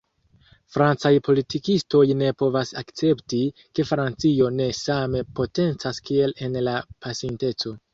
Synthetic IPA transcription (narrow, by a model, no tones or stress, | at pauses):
fɾant͡sajpʰo̞litikisto̞jne̞po̞vasakt͡se̞ptike̞fɾant͡sio̞ne̞same̞po̞te̞nt͡saskie̞le̞nlapʰasinte̞t͡so̞